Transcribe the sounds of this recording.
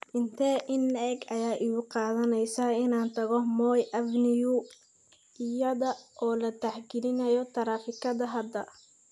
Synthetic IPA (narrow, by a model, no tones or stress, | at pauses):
ɪnt̪ʰɛʔɪnɛɡɐjaːʔɪɣʊqɑːðɐnɛjsaːɪnaːnt̪ʰɐɣɔmɔːjʔɐvnɪju | ɪjɐðɐʔɔːlɐt̪aħɡɪlɪnɐjɔt̪ʰɐɾaːfɪkʰɐd̪ɐɦɐd̪ɐ